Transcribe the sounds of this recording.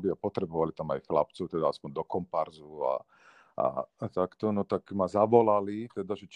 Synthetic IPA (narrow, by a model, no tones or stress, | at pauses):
bɪapɔt̪ɾɛbɔʋalit̪amajxlapt͡sɔʊt̪ɛd̪aaspɔɲd̪ɔkɔmpaɾzua̰ | a̰t̪akt̪ɔnɔt̪akmazaʋɔlalit̪ɛd̪aʒɛt͡ʃ